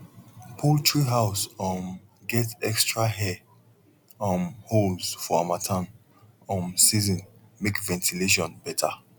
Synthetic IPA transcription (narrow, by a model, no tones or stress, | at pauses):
pʰɔtʰɹiɦaʊsɔ̃mɡɛtɛkstɹaɦɛ | ɔ̃mholzfɔamatʰãn | ɔ̃msizɔ̃nmekvɛ̃ntʰileʃ̬ɔ̃nbɛtʰa